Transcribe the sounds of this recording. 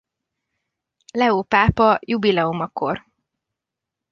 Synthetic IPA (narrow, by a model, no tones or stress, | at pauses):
lɛoːpaːpɒjubilɛomɒko̞̰r